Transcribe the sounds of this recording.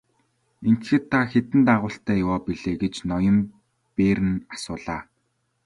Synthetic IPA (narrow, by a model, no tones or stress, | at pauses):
en̥t̪xĕrt̪ʰːaxet̪ɘ̆nt̪aʁʊːɬt̪æːjʊwɔːpiɮeːɡet͡ɕnɔjɞ̆m | peːɾɘ̆nḁsʊːɮaː